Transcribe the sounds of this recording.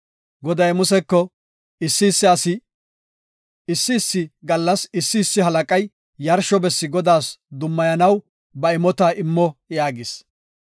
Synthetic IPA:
ɡɔd̪ɐjmʊsɛkːɔ | ɪsːɪːsːɪɐsɪ | ɪsːɪːsːɪɡɐlːɐsɪsːɪːsːɪɦɐlɐkʼɐj | jɐɾʃɔbɛsːɪɡɔd̪aːsd̪ʊmːɐjɐnɐw | bɐɪmɔt̪aːʔɪmːɔjaːɡɪs

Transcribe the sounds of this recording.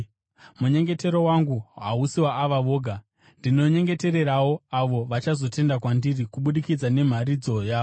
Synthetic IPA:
muɲe̞ŋɡe̞te̞ɾowaŋɡuɦa̰usiwaʔːʋaʋo̞ːɡʱa | ndino̞ɲe̞ŋɡe̞te̞ɾe̞ɾawo̞aʋo̞ʋat͡ʃazo̞te̞ndakwandirikuɓuɗikid͡zane̞m̤aɾid͡zo̞jaːo

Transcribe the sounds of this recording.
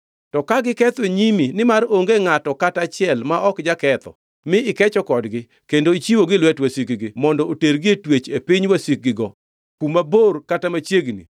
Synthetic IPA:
tɔkaɡɪkɛt̪eɲiminɪmaɾoŋɡeŋatɔkatat͡ʃɪɛlmaʔɔkd͡ʒakɛt̪ɔ̰ | mɪɪkɛt͡ʃɔkɔdɡɪ | kendoit͡ʃiwoɡɪlwɛtwasikɡɪmɔndɔoteɾɡɪetwet͡ʃepiɲwasik̚ɡɪɡɔ | kumaborkatamat͡ʃjeɡnḭ

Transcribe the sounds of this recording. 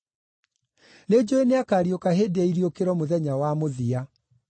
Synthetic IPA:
ned͡ʑoeneakaːɾjokaheːdaiɾiokeɾɔmoðɛɲawamoðia

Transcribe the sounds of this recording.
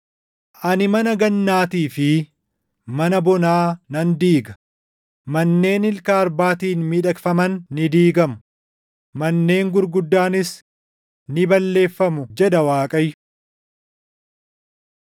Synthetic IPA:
ʔɐnɪmɐnɐɡɐnːaːt̪iːfɪ | mɐnɐbɔnaːnɐnd̪iːɡɐ̥ | mɐnːe̞ːnɪlkaːɐɾbaːt̪iːnmiːᶑɐkfɐmɐnːɪd̪iːɡɐmʊ | mɐnːe̞ːŋɡʊɾɡʊd̪ːaːnɪs | nɪbɐlːe̞ːfːɐmʊd͡ʒɛᶑɐwaːkʼɐj

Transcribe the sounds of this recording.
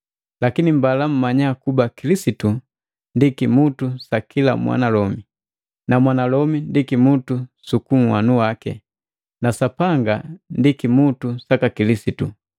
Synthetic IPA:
lakinimbalam̩maɲakubakilisitu | ndikimutusakila̰mwa̰nalɔmi | namwanalɔmindikimutusukuŋ̩wanuwakɛ̰ | nasapaŋɡandikimutusakakilisitu

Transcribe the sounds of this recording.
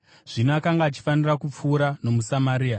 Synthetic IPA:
ʐ̥inakaŋɡaːt͡ʃi̥fanirakup͡fuːɾano̞musamaɾiːa

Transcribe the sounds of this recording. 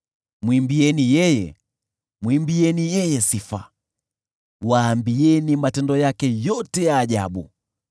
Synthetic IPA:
mwimbiɛnijɛjɛ | mwimbiɛnijɛjɛsifa̰ | waːmbiɛnimatɛndɔjakɛjɔtɛjaːʄa̰ɓṵ

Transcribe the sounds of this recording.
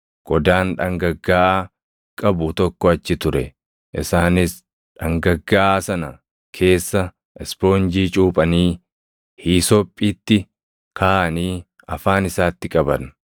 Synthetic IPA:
ɡ̥ɔd̪aːnᶑɐŋɡɐɡːaːʔ | kʼɐbʊt̪ɔkːɔɐt͡ʃːɪt̪ʊɾɛ | ʔɪ̰saːnɪs | ᶑɐŋɡɐɡːaːʔsɐnɐ | kʰe̞ːsːɐ | ɛspo̞ːnd͡ʒiːt͡ʃʼuːpʼɐniː | hiːsɔpʼːiːt̪ːɪ | kʰaːʔɐniː | ɐfaːnɪsaːt̪ːɪkʼɐbɐn

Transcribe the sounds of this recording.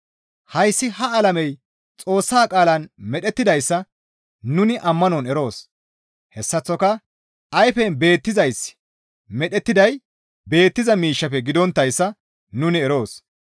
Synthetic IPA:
hɐjsːɪhɐːlɐmɛj | t͡sʼo̞ːsːaːkʼaːlɐnmɛɗɛt̪ːɪd̪ɐjsːɐ | nʊnɪʔɐmːɐnɔnɛɾo̞ːs | hɛsːɐt͡sːɔkɐ | ʔɐjfɛnbe̞ːt̪ːɪzɐjs | mɛɗɛt̪ːɪd̪ɐj | be̞ːt̪ːɪzɐmiːʃːɐpɛɡɪd̪ɔnt̪ːɐjsːɐ | nʊnɪɛɾo̞ːs

